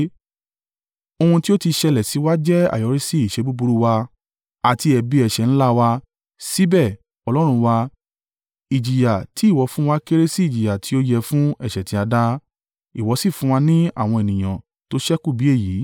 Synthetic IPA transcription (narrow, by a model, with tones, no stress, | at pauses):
o˧hũ˧ti˦o˦ti˧ʃɛ˧lɛ˨si˨˦wa˦d͡ʒɛ˦a̰˦˨jɔ˨˦ɾi˦si˦i˨ʃe˨˦bu˦bu˧ɾu˧wa˧ | a˨ti˧ɛ˧bi˦ɛ˨ʃɛ˨ñ̩˦la˦wa˧ | si˦bɛ˦˨ | ɔ˧lɔ˦ɾ̃ũ˧wa˧ | i˨d͡ʒi˨ja˨ti˨˦i˦˨wɔ˨˦fũ˦wa˧ke˦ɾe˦si˦i˨d͡ʒi˨ja˨ti˨˦o˦jɛ˧fũ˦ɛ˦˨ʃɛ˨tĩ˧˦a˧da˦ | i˨wɔ˨˧˦si˦˨fũ˨˦wa˧nĩ˦a̰˦˨w̃ɔ̃˧e˨nĩ˨j̃ã˨ | to˨˦ʃɛ˦ku˦˨bi˨˦e˦˨ji˨˦